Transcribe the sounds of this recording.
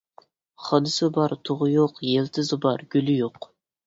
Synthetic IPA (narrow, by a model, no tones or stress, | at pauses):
χɑnɨsɨbɑɾt̪ʰoʁʊjoqjelt̪ʰɪzɨbɑɾɡ̥ʲylɪjoq